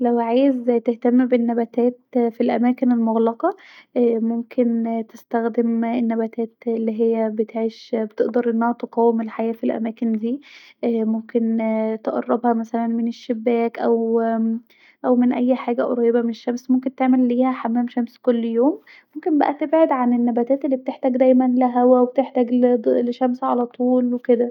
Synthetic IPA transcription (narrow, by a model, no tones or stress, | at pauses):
læwʕaːjezt̪eht̪æmːbenːæbæt̪æːt̪filʔæ̰mæːkenelmoɣlɑqɑ | ʔmomkʰent̪est̪æxd̪emenːæbæt̪æːt̪elːiːɦejːæbet̪ʕeːʃbet̪eʔd̪ɑɾˤʔenːæhæt̪eqɑːwemelħajæːfilʔæ̰mæːkend̪iː | ʔːmomkent̪eʔɑ̰rˤːɑbhɑmæsælænmeneʃːebːæːkʔæw | ʔæwmenʔæjːħaːɡæʔɾˤɑjːebæmeneʃːæmsmomkent̪eʕmelːiːhæħamːæːmʃæmskolːjoːm | momkembæ̰ʔæt̪ebʕed̪ʕanenːæbæt̪æːt̪elːiːb̚et̪eħt̪æːɡd̪æjmænlæɦæwæweb̚et̪eħt̪æːɡleʃæmsʕalæt̪ˤuːlweked̪æ